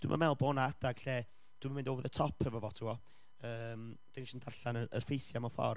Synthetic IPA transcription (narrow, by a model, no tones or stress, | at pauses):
d̥wɪ̰ma̰mɛlˠbɔnaadaɡ̥ɬɛ | d̥wɪmamɪndowvəðətʰɔpʰəvɔvɔtʰuɔ | əːmd̥ɪnʃəndarɬanəə̰rfejθjamɔfɔ̰r